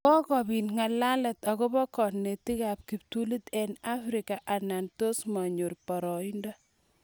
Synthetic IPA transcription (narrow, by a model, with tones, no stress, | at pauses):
kɔ˦kɔ˨bi˨nŋa˨la˦lɛ˨t̪ɔ˨kɔ˦bɔ˦kɔ˨nne˨ti˦ka˨p̚ki˨p̚tu˦li˦t̪ɛ˦na˦fɾɪ˨ka˨ʔa˨na˨nto˦sma˨ɲo˨rpɔ˨ɾɔ˨i˦ndɔ˦